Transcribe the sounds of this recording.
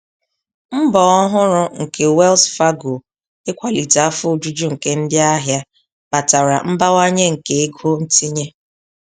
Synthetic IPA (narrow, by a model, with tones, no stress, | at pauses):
m̩˦bɔ˨ɔ˦ɦʊ˦ɾʊ˦ŋ̩˨kʰe˨we˦lsfa˦ɡo˨ | ɪ˦kʷa˨li˨ta˨a˦fʊ˦˨d͡ʒu˦d͡ʒu˦ŋ̩˨ke˦n̩˦dja˦ɦja˦ | ba˨ta˨ɾa̰˨m̩˦ba˦wa˦ɲe˦ŋ̩˨ke˨e˦ɡo˦n̩˦ti˦ɲe˦